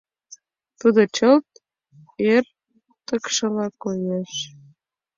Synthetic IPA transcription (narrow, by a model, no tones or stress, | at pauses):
t̪ud̪ɤ̆t͡ɕɤ̆lt̪̚ | er | t̪ɤ̆kʃɤ̆lˠɑkojeʃ